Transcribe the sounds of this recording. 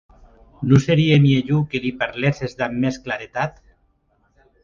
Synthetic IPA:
nuseɾiemieʎukelipaɾlesezd̪amːesklaɾet̪at̪

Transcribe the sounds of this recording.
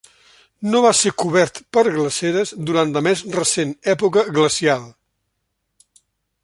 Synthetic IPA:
noβasekuβɛɾt̪pəɾɣləseɾəzd̪uɾant̪ləmɛzrəsenɛpukəɣləsialˠ

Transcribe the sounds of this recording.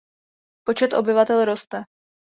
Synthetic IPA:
pot͡ʃɛt̪ʔo̞bɪvat̪ɛlɾo̞st̪ɛ

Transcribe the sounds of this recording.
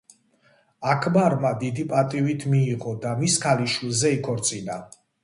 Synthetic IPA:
akʰmaɾmad̪id̪ipʼat̪ʼivit̪ʰmiːʁɔd̪amiskʰaliʃwilˠzɛikʰɔɾt̪sʼina

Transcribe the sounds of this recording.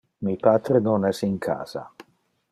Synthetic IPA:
mipaːt̪ɾenonɛsiŋkʰa̰ːza̰

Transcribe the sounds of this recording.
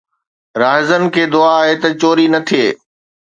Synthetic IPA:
ɾaːɦɪzənɪ̆kʰeːd̪ʊaːɦet̪ɐt͡ɕoːɾinɐt̪ʰieː

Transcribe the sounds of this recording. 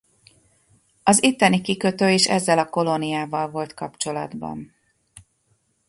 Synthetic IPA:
ɒzit̪ːɛnikikø̞t̪øːeːʃɛ̰zːɛlɒko̞lo̞nijaːvɒlvo̞lt̪kɒpt͡ʃo̞lɒ̰d̪bɒ̰n

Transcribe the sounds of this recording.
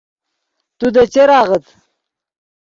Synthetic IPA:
t̪ud̪ət͡ɕeɾɑːʁət̪

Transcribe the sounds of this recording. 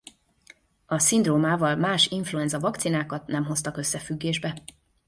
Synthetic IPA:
ɒsind̪roːmaːvɒlmaːʃiɱfluɛnzɒvɒk̚t̪sinaːkɒt̪nɛmɦo̞st̪ɒkø̞sːɛfyɡːeːʒbɛ

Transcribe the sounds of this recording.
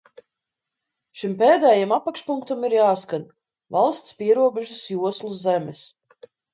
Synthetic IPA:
ʃimpeːd̪ɛːjamapakʃpuŋkt̪amiɾjaːskan | valˠst̪spiɛɾuɔbɛʒasjuɔslˠuzɛmɛs

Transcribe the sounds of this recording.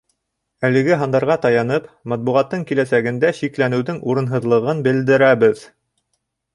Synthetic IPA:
ælɘ̆ɡɘɦɑnd̪ɑɾʁɑt̪ɑjɑnɤpmɑt̪̚buʁɑt̪ːɤɴkilæsæɡɘ̆nd̪æʃiklænɘ̆wðɘŋuɾɤ̆nɦɤ̆ðlˠɤ̆ʁɤnbɘ̆ld̪ɘ̆ɾæβɘð

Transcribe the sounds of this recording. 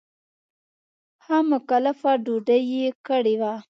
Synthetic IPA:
hamʊkalafaɖuɖəjekəɽewa

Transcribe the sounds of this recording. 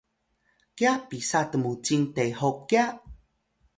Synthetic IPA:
kjapisatəmut͡ɕiŋtejɦokːja

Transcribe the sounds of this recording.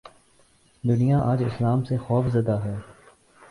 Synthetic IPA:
d̪ʊnijaʔaːd͡ʒɪslaːmsexɔːfzɐd̪aɦɛː

